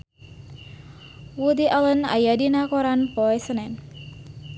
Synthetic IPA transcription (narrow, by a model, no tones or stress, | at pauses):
wud̪iʔaləna̰jadinakɔɾanpɔɛsənɛn